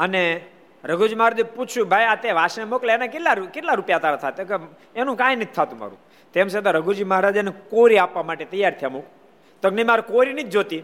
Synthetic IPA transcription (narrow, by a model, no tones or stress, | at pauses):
əne | ɾəɡʱuɾd͡ʒiməɦaɾaːd͡ʒapuũbʱajat̪eʋaʃnemokleenakeʈlakeʈlaɾupjat̪aɾat̪ʰat̪eke | enũkãːjnit̪ʰːat̪ũma̰ɾṵ̃ | t̪emʃet̪aɾəɡʱuɾd͡ʒiməɦaɾad͡ʒanekoɾiapʋamaʈet̪əjːaɾt̪ʰəjamok | t̪əɡnəimaɾkoɾinid͡ʒd͡ʒot̪i